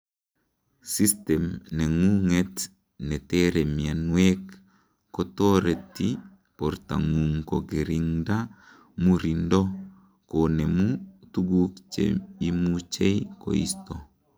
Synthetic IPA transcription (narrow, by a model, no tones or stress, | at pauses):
sistɛmneŋuŋet | nɛteɾemianwekː | otoɾetːi | poɾta̰ŋuŋkoɡeɾiŋda | muɾindo | konemutuɡukt͡ʃḛimut͡ʃejko̰ḭsto